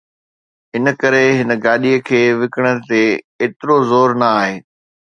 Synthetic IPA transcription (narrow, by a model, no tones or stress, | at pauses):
ɦɪnə̆kɐɾeɦɪnə̆ɡaːɗiəkʰeːʋɪkəɽ̃ə̆t̪e | eːt̪ɪɾozoːɾnɐaːɦeː